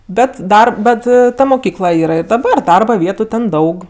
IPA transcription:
ˈbʲɛt ˈdɐr ˈbʲɛt ˈtɐ moːˈkʲiːklˠɐ ˈiːrɐ ɪr dɐˈbɐr ˈdɐrbɐ ˈʋʲiɛtʊ tʲɛn ˈdɐʊk

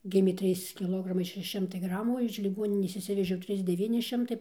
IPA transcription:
ˈɡʲɪmʲeː ˈtʲrʲiːs kʲɪˈlˠoːɡrɐmɐɪ ʃʲɛˈʃʲɪ ˈʃʲɪmtɐɪ ˈɡrɑːmuː oː ɪʃ lʲɪˈɡoːnʲɪnʲeːs ɪʃʲˈsʲɪʋʲɛʒʲɛʊ ˈtʲrʲiːs dʲɛˈʋʲiːnʲɪ ˈʃʲɪmtɐɪ

